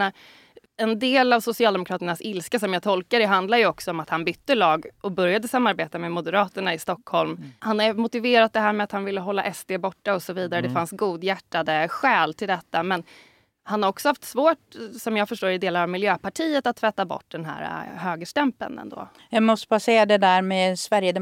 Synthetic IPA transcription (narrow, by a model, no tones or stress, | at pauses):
a | ɛnd̪eːlavsʊsɪɑːd̪ɛmʊkʰɾɑːt̪əɳasɪlskasɔmjɑːt̪ʰɔlkad̪ɛɦand̪lajɵɔksɔɔmat̪hanbʏt̪ːəlɑːɡʔɔbɵɾjad̪əsamːaɾbeːt̪amɛmʊd̪əɾɑːt̪əɳaɪst̪ɔkhɔlmhanhajmʊt̪ɪveːɾat̪̚d̪ɛɦæːɾmɛat̪hanvɪlːəɦɔlːa̰ʔɛst̪eːbɔʈːaɔsɔviːd̪aɾəd̪ɛfansɡuːd̪jæʈːad̪əɧɛːlt̪ʰɪld̪ɛt̪ːamɛn | hanhaɾɔksɔhaft̪svoːʈsɔmjɑːɡfœʂʈoːɾɪd̪eːlaɾavmɪljøːpʰaʈʰiːət̪at̪ʰːvɛt̪ːabɔ̰ʈ̚ːd̪ɛnɦæ̰ːɾa̰høːɡəʂʈɛmpə̰nɛ̰nd̪o̰ː | jɑːɡmɔst̪əbasɛad̪ɛd̪æɾmɛsvæɾjəd̪ɛ